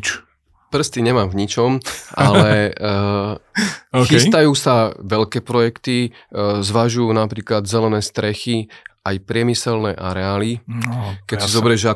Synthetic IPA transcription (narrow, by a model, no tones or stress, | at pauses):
pr̩st̪iɲɛmaːmvɲit͡ʃɔma̰lɛ | xist̪ajuːsaʋɛʎkɛːpɾɔjɛkt̪i | zʋaʒujuːnapɾiːklad̪zɛlɛnɛːst̪ɾɛxiajpɾɪɛmisɛlnɛːʔaɾɛaːli | kɛcsizɔbɾɛʒa